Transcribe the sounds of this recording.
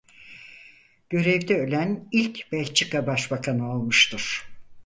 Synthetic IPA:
ɟ̥ø̞ɾɛvd̪ɛølʲænilʲcb̥ælʲt͡ʃʰikabaʃbakʰanɯolˠmɯʃt̪ʰɯɾ̥

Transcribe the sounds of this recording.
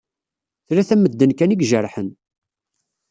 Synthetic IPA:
θɾæθæməd̪ːənkæniɡʒəɾˤħən

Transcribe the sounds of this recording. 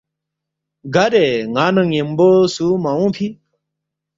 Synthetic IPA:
ɡʱɐɾeŋaːnɐ̃ŋjĩmbosumaũːpʰi

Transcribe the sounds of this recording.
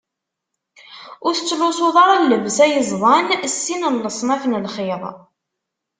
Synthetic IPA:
ʊɾθət͡sːlʊsoðˤɑɾˤælːəvsæjəzˤðˤɑnsːinəllːəsˤmæfnəlχɪðˤ

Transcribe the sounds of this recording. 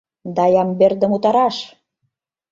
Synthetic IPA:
d̪ɑjɑmberd̪ə̆mut̪ɑɾɑʃ

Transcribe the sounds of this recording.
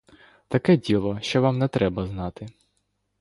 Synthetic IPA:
t̪ɐkɛdʲilˠɔʃt͡ʃɔʋamnɛt̪ɾɛbɐznɑt̪ɪ

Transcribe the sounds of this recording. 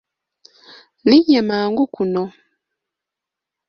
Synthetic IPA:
liɲɛmaŋɡukunɔ

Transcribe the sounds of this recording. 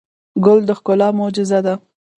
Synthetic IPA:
ɡʊld̪əxkʊlɑmʊd͡ʒɪzad̪a

